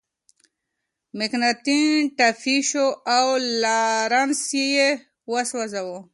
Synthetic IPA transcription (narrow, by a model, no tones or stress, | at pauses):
mɪknat̪iʈafiʃoawlaɾansjeje | waswazawo